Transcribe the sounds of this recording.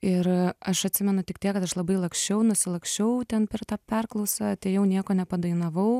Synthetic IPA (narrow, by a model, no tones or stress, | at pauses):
ɪɾɐʃɐt̪ʲsʲɪmʲɛnʊtʲɪk̚t̪ʲiɛkɐt̪ɐʃlˠɐbɐɪlˠɐksʲt͡ʃʲɛʊnʊsʲɪlˠɐksʲt͡ʃʲɛʊt̪ʲɛnpʲɛrt̪ɑːpʲɛrklˠɐʊsɑt̪ʲeɪjɛʊnʲiɛkoːnʲɛpɐd̪ɐɪnɐʋɐʊ